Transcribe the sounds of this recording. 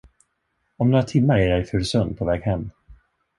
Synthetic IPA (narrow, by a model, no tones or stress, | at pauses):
ɔmnoːɾat̪ʰɪmːaɾɛːɾɛɾjfɵɾsœnpʰɔvɛːɡhɛmː